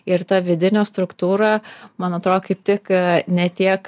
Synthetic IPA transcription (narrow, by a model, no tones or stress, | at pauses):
ɪɾt̪ɐʋʲɪd̪ʲɪnʲoːst̪ɾʊkt̪uːɾɐmɐnɐt̪ɾoːd̪okɐɪp̚ʲt̪ʲɪknʲɛt̪ʲiɛk